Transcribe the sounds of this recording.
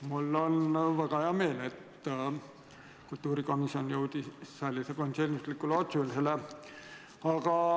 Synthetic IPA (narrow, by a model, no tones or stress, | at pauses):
mulːonʋɑkɑjɑmeenet̪ | kult̪ːuːrikomisjonjowt̪isælːisekonselnislikːulot̪sulselæ | ɑkɑ